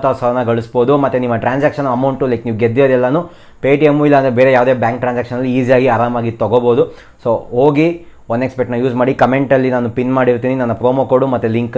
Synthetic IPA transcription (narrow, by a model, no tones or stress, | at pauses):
t̪ɐʋɐsɐɾɐnɐɡɐɭusboːd̪umɐt̪ːenimːɐʈɾaːnsaːkʂɐnɐmɐwɳʈːulɐjkniːʋuɡed̪ːijoːd̪ɛlːɐnuː | peːʈijemuilːɐnd̪ɾebe̞ːɾejaːʋd̪e̞ːbjaːŋk̚ʈɾaːnsaːkʂɐnːɐlːiiːsijaːɡiaːɾaːmaːɡit̪ɐɡoboːd̪u | soːɦoːɡi | ond̪ekspeʈnɐjuːsmaːɽikɐmeɳʈɐlːinaːnupinmaːɽiɾt̪iːninɐnːɐpɾoːmokoɽumɐt̪ːeliŋk